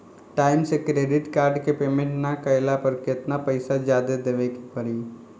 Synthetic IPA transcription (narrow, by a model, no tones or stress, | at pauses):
ʈaːɪmsekɾeɖɪʈkaːɾɖkepeːmẽɳʈnakəjlapəɾket̪napəɪsad͡ʒjaːd̪ed̪eʋeki̥pəɾi